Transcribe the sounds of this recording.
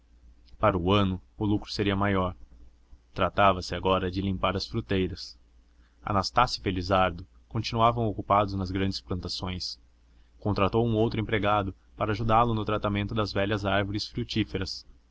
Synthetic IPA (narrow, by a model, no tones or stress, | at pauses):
paɾɐʊɐ̃nʊʊlukɾʊ̥seɾiɐmajɔɾ | t̪ɾat̪avɐsɪaɡɔɾɐd͡ʒɪlĩmpaɾɐsfɾut̪ejɾɐs | ɐ̰nast̪asjʊfelizaɾd̪ʊ | kõnt͡ʃinuavɐ̃w̃okupad̪ʊznɐzɡɾɐ̃nd͡ʒɪsplɐ̃nt̪asõj̃s | kõnt̪ɾat̪owũowt̪ɾʊẽpɾeɡad̪ʊ | paɾɐːʒud̪alʊnʊt̪ɾat̪amẽnt̪ʊd̪ɐzvɛʎɐzaɾvoɾɪsfɾut͡ʃifeɾɐs